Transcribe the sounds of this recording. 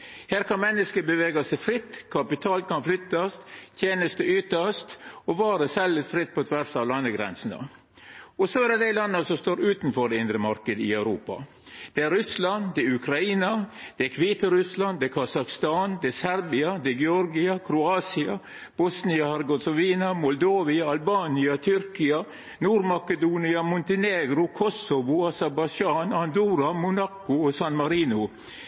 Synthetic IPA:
hæːɾkʰɑnmɛnːəskəbəʋeːɡɑsɛɪfɾɪt̪ːkʰɑpɪt̪ʰɑːlt̪̚kʰɑnflʏt̪ːɑst̪t̪ʰjeːnəst̪əʏt̪əst̪ɔʋɑːɾəsɛləst̪fɾɪt̪̚ːpʰɔt̪ʰʋæɾsɑʋlɑnːəɡɾɛ̰nsnɑ̰ | ɔsɔædɛd̪æɪlɑnːəsɔmst̪oːɾʉːt̪nfɔɖɛɪnd̪ɾəmɑɾkəd̪ɪ̰œʉɾuːpɑ̰ | d̪̥ɛæɾɾʉslɑnd̪ɛʉkɾɑiːnɑd̪̥ɛkʰʋiːt̪əɾʉslɑnd̪ɛkʰɑsɑkst̪ɑːnd̪ɛsæɾbɪɑd̪ɛɡɛɔɾɡɪɑkʰɾʊɑːsɪɑ | b̥ɔsnɪɑhɛɾɡɔsɔʋiːnɑmɔld̪oːʋɪɑɑlbɑːnɪɑt̪ʰʏɾkɪɑ | nuːɾmɑkəd̪uːnɪɑmʊnt̪əneːɡɾʊkʰɔsɔʋʊɑsɛɾbɑd͡ʒɑːnɑnd̪uːɾɑmʊnɑkːʊɔsɑnmɑɾiːnʊ

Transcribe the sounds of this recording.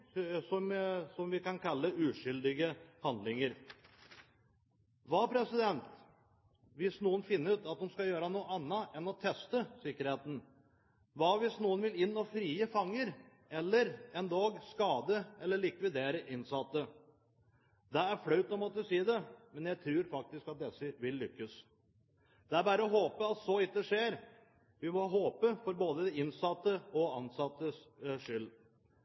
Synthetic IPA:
sɔmsɔmʋɪkɑnkʰɑlːəʉːʂʏld̪ɪɡəhɑnd̪lɪŋəɾ | ʋɑːpʰɾɛsɪd̪ɛnt̪ | ʋɪsnuːənfɪnːəʉːt̪ɑt̪̚d̪ʊmskɑjøːɾɑnuːəɑnːɑʔɛnɔt̪ʰɛst̪əsɪkːəɾheːt̪n̩ | ʋɑːʋɪsnuːənʋɪlɪnːɔfɾiːəfɑŋːəɾ | ɛlːəɾɛnd̪ɑːɡskɑːd̪əʔɛlːəɭɪkʋɪd̪eːɾəʔɪnsɑt̪ːə | d̪ɛæɾflœʉt̪ɔmɔt̪ːəsiːd̪ɛmɛnjæɪt̪ʰɾʉːɾfɑk̚t̪ɪskɑt̪̚d̪ɛsːəʋɪlːʏkːəs | d̪ɛæɾbæːɾəɔɦoːpəɑt̪sɔɪt̪̚d̪əʂeːɾ | ʋɪmɔɦoːpəfɔɾboːd̪əd̪ɛɪnsɑt̪ːəɔɑnsɑt̪ːəsʂʏlː

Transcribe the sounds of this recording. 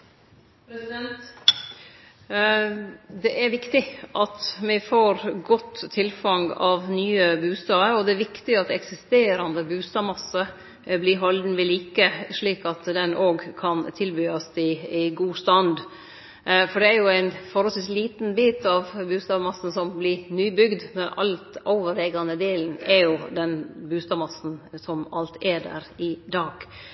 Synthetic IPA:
pɾɛsɪd̪ɛnt̪ | d̪ɛʔæɾʋɪkt̪ɪʔɑt̪mɪfoːɾɡɔt̪ʰːɪlfɑŋɑʋnyːəbʉːst̪ɑːəɾɔd̪ɛæɾʋɪkt̪ɪɑt̪ɛksɪst̪eːɾɑnd̪əbʉːst̪ɑːmɑsːə | bliɦɔld̪n̩ʋɪliːkəʂɭiːkɑt̪d̪ɛnʔoːɡkʰɑnt̪ʰɪlbyːɑsɪɪɡuːst̪ɑnd̪ | fɔɖɛæɾjʊæɪnfɔɾhɔlsʋiːsliːt̪nbiːt̪ɑʋbʉːst̪ɑːʋmɑsːn̩sɔmblɪnyːbʏɡd̪mɛʔɑ̰lt̪ɔʊʋəɾɛːɡɑnəd̪eːln̩ɛɾjʊd̪ɛnbʉːst̪ɑːmɑsn̩sɔmɑlt̪ʰɛɖæ̰ːɾɪd̪ɑːɡ̥

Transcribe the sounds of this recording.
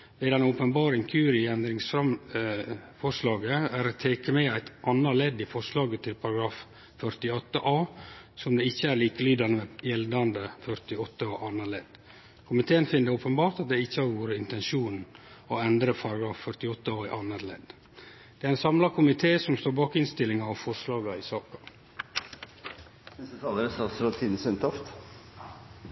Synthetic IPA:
ʋed̪ɛnəoːpənbɑːɾəɪŋkʰʉːɾɪɛnd̪ɾɪŋsfɾɑm | fɔʂlɑːɡəæɾot̪ʰeːkəmɛːæɪt̪ʔɑnːəlɛd̪ifɔʂlɑːɡət̪ʰɪlpʰɑɾɑɡɾɑːf | fœɾt̪ɪɔt̪ːəʔɑːsɔmd̪ɛːɪçːəæɾliːkəlyːd̪ɑnəʋɛjɛld̪ɑnd̪əfœɾt̪ɪɔt̪ːəoʔɑnːəɭɛd̪̥ | kʰʊmɪt̪ʰeːənfɪnd̪əoːpənbɑːɾt̪ɑt̪̚d̪ɛɪçːəhɑɾʋuːɾəɪnt̪ɛnʃuːnn̩oɛnd̪ɾəpʰɑɾɑɡɾɑːffœɾt̪ɪɔt̪ːəɑːɪʔɑnːəɾlɛ̰ːd̪ | d̪̥ɛæɾæɪnsɑmlɑkʰʊmɪt̪ʰeːsɔmst̪oːɾbɑːkɪnst̪ɪlːɪŋɑʋfɔɾʂlɑːɡɑɪsɑːkɑ̥ | nɛst̪ət̪ʰɑːləɾəsɑsɔt̪ʰiːd̪n̩sœnt̪ʰɔft̪

